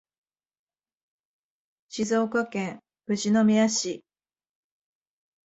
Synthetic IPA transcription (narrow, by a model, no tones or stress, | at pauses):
ɕizo̞ːkokẽŋ | ɯ̟ʑino̞mʲiaɕi